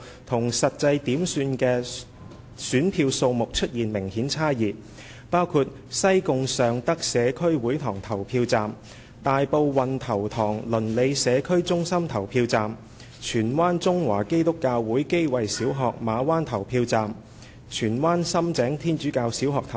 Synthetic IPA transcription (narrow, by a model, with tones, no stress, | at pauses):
t̪ʰʊ˨˩ŋsɐ˨t̚t͡sɐ˧jt̪iː˨˥msyː˧nkɛː˧ | syː˨˥npʰiː˧wso˧wmʊ˨k̚t͡ʃʰɵ˥t̚jiː˨˩nmɪ˨˩ŋhiː˨˥nt͡sʰaː˥jiː˨ | paː˥wkʰuː˧t̚ | sɐ˥jkʊ˧ŋsœː˨ŋt̪ɐ˥k̚sɛː˨˧kʰɵ˥ɥwuː˨˥jt̪ʰɔː˨˩ŋt̪ʰɐ˨˩wpʰiː˧wt͡saː˨m | t̪aː˨jpo˧wwɐ˨nt̪ʰɐ˨˩wt̪ʰɔː˨˩ŋlɵ˨˩nle˨˧jsɛː˨˧kʰɵ˥ɥt͡sʊ˥ŋsɐ˥mt̪ʰɐ˨˩wpʰiː˧wt͡saː˨m | t͡ʃʰyː˨˩nwaː˥nt͡sʊ˥ŋwaː˨˩ke˥jt̪ʊ˥kːaː˧wːuː˨˥jke˥jwɐ˨jsiː˨˥wɦɔː˨k̚maː˨˧waː˥nt̪ʰɐ˨˩wpʰiː˧wt͡saː˨m | t͡ʃʰyː˨˩nwaː˥nsɐ˥mt͡sɛː˨˥ŋt̪ʰiː˥nt͡ʃyː˨˥kaː˧wsiː˨˥wɦɔː˨k̚t̪ʰɐ˨˩w